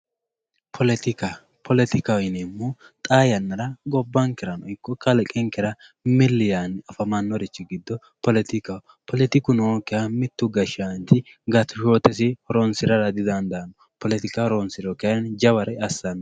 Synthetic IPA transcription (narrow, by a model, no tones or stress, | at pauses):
pʰɔlɛt̪ɪka | pʰɔlɛt̪ɪkawɪnɛmːu | t̪ʼaːjɐnːɐɾɐɡɔbːɐŋkɪɾɐnɔɪkːɔkɐlɛkʼɛŋkɛɾɐ | mɪlːɪjanɐfɐmɐnːɔɾɛt͡ʃːɪɡɪd̪ːɔ | pɔlɛt̪ɪkaw | pʰɔlɛt̪ɪkʊnɔwkɛamɪt̪ːʊɡɐʃɪant̪ɪ | ɡɐt̪ʊʃoːt̪ɛs̬ɪhɔɾonsɪɾɐɾɐd̪ɪd̪ɐnd̪ɐnːɔ | pɔlɛt̪ɪkɐhɾonsɪɾɔkɛand͡ʒɐwɐɾɛɐsːɐnːɔ